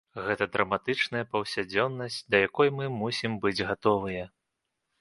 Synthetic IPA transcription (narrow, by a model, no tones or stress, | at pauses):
ɣɛt̪ɐd̪ɾʔɐmat̪ɨt͡ʂnɐjɐpɐwsʲad͡zʲɔnːɐsʲt͡sʲd̪ɐjakɔjmɨmusʲimbɨd͡zʲɣat̪ɔvɨjɛ